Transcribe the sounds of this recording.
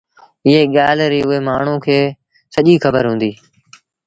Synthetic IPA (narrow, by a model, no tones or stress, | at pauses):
ɪɦeːɠaːlɾiːʊɦeːmaːɳ̤ũːkʰeː | səʄiːxəbəɾɦũːnd̪iː